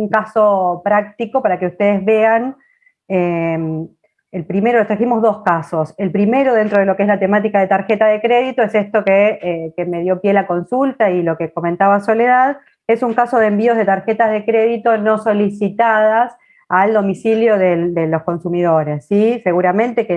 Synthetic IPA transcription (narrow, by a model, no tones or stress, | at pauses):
uŋkaso̞pɾak̚t̪iko̞paɾakeust̪e̞ðezβe̞an | em | elpɾimeɾot̪aisimo̞zðo̞skaso̞se̞lpɾime̞ɾo̞ðent̪ɾoð̞elo̞keezlat̪e̞mat̪̬ikaðet̪aɾxet̪aðe̞kɾe̞ðit̪o̞esest̪o̞keekeme̞ð̞jo̞pje̞lako̞nsult̪ailo̞keko̞ment̪aβaso̞leðað | esuŋkaso̞ðembio̞ɦðe̞t̪aɾxet̪aɦð̞e̞kɾeðit̪o̞no̞so̞lisit̪aðas | ald̪o̞misiljo̞ðed̪elo̞sko̞nsumið̞o̞ɾe̞sːise̞ɣuɾamẽ̞nt̪eke